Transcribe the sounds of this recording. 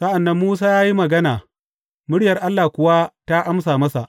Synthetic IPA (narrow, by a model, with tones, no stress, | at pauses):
sɐ˦ʔa˨nːɐ˦mːuː˦s̬aː˦jaː˦ji˦mɐ˨ɡɐ˦naː˨ | mʊ˦ɽjɐ˨rʔa˦lːaː˨kʷʊ˨wa˦ta˦ʔa˦msaː˨mɐ˦sa˨ʔ